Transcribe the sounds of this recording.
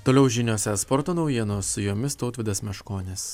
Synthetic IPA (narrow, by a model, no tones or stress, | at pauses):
t̪oːlʲɛʊʒʲinʲoːsʲɛspɔɾt̪oːnɒʊjiɛnʊsʊjoːmʲɪst̪oːt̪ʲʋʲɪd̪ɐsmʲɛʃkoːnʲɪs